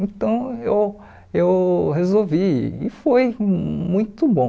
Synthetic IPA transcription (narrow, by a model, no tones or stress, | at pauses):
ẽt̪ɐ̃w̃ew | ewhezowvḭɪfojmũj̃t̪ʊbõ